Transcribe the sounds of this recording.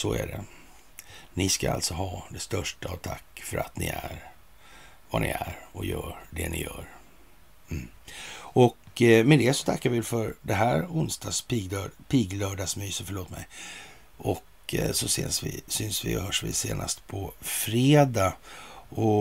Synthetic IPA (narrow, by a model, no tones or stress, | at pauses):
sɔæɖɛ | nɪskaa̰lt̪sɔɦɑːd̪ɛst̪œʂʈaːt̪ʰakːfœɾat̪nɪæɾ | vanɪæɾɔjœːɾɖɛnɪjœːɾ | m̩ | ɔkmɛd̪eːsɔ̥t̪ʰakːaɾvɪlfœɾd̪ɛɦæɾʊnst̪ɑsp̪ːpʰiːɡlœːɖasmyːsəfœɭoːt̪mɛj | ʔɔk | sɔsḛːnsvɪsʏnsvɪɔɦœːʂvɪseːnʔast̪pʰɔfɾeːd̪a | ɔ